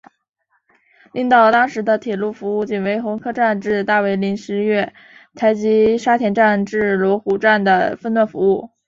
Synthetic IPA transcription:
li˥˧ŋt̪ɑ˥˩ʊt̪ɑ˥ŋʂɻ̩˧˥d̪ə˧t̪ʰjɛ˨˩lu˥˩fu˧˥u˥˩t͡ɕi˧˩nwe˧˥ɪxʊ˧˥ŋkʰɤ˥ʈ͡ʂa˥˧nʈ͡ʂɻ̩˥˧t̪a˥˩we˧˥ɪli˧˥nʂɻ̩˧˥ɥɛ˥˩ | t̪ʰa˧˥ɪt͡ɕi˧˥ʂa˥t̪ʰjɛ˧˥nʈ͡ʂa˥˧nʈ͡ʂɻ̩˥˩lwɔ˧˥xu˨˩ʈ͡ʂa˥˩nd̪ə˩fə˥˧nwa˥˩nfu˧˥u˥˩

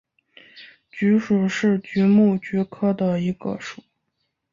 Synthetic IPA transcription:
t͡ɕy˧˥ʂu˨˩ʂɻ̩˥˩t͡ɕy˧˥mu˥˩t͡ɕy˧˥kʰɤ˥d̪ə˨i˧˥ɡə̰˧ʂu˨˩˦

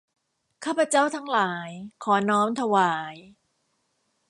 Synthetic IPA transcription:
kʰaː˥˩pʰːa˧t͡ɕa˥˩wt̪ʰa˦ŋlaː˩˦jkʰɔː˩˦nɔː˦˥mt̪ʰa˧waː˩˦j

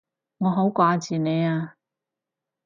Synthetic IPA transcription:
ŋɔː˨˧ɦo˨˥wkʷaː˧t͡siː˨ne˨˧jaː˧

